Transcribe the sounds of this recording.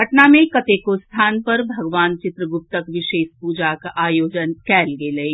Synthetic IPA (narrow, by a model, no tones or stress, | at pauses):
ɦɐʈnamẽkɐt̪eːkost̪ʰaːnpɐɾbʱɐɡʋaːnt͡ʃɪt̪ɾəɡʊp̚t̪əkʋɪʃeːʃpuːd͡ʒakʔaːjoːd͡ʒənkɛːlɡelɐi